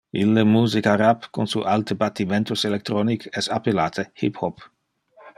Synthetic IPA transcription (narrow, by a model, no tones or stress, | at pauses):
ilːemuːzikaɾapkunsṵʔalt̪əbat̪ːiment̪uselek̚t̪ɾɔnikʰɛsa̰pelaːt̪ʰehḭphɔp